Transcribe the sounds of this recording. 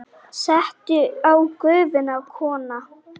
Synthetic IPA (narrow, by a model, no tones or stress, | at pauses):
sɛht̪ʏawkœɥvɪnavkʰɔːna